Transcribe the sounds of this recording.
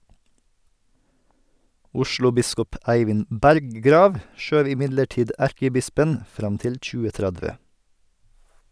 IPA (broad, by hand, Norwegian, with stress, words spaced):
ˈʊʃɭʊˌbɪskɔp ˈʔæɪʋɪnd ˈbæɾɡɡɾɑːʋ ˈʃøːʋ ɪˈmɪdləˌʈiːd ˈæɾkəˌbɪspən ˈfɾɑm ˈtɪl ˌc͡çʉːəˈtɾædʋə